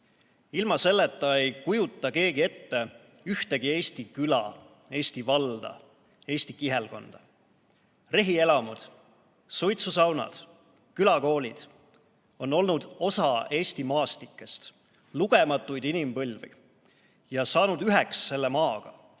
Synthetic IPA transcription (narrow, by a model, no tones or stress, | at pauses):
ilmɑse̞lːet̪ːɑe̞jkujut̪ːˑɑke̞ːɡ̥ie̞t̪ːe̞ | yht̪e̞ɡ̥ie̞ːst̪ikylɑ̰ | e̞ːst̪ivɑld̪̥ɑ̰ | e̞ːsʲt̪ikiɦelko̞nd̪̥ɑ | re̞ɦie̞lɑmud̪̥ | sujt̪susɑwnɑ̰d̪̥ | kylɑko̞ːlʲid̪̥ | o̞nːo̞lnud̪̥o̞sɑe̞ːst̪imɑːst̪ikːˑe̞st̪ | luɡ̥e̞mɑt̪ːˑujd̪inimpɤlʲvḭ | jɑsɑːnud̪̥yɦeksːe̞lːe̞mɑːɡ̥ɑ̰